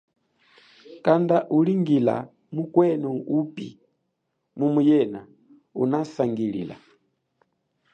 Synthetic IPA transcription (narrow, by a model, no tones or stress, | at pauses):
kandaʔuliŋɡila̰ | mukwɛnɔupḭ | mumujɛna | ṵnasaŋɡilḭla̰